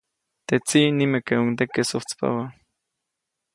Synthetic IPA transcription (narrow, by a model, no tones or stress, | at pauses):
t̪et͡sinimekeuŋt̪̬ekesoht͡spa̰wa